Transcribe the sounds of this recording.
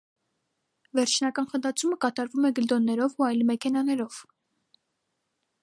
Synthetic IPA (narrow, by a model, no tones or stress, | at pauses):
vɛɾt͡ʃʰnɑkɑnχənd̪ɑt͡sʰuməkɑt̪ɑɾvumɛɡəld̪ɔnːɛɾɔvuɑjlmɛkʰɛn̪ɑnɛɾɔv̥